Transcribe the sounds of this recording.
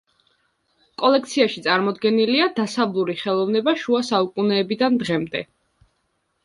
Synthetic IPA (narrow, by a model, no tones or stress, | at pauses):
kʼɔlɛk̚ʰt̪sʰiaʃit̪sʼaɾmɔd̪ɡɛniliad̪asavlˠuɾiχɛlˠɔvnɛbaʃuasaukʼunɛːbid̪and̪ʁɛmd̪ɛ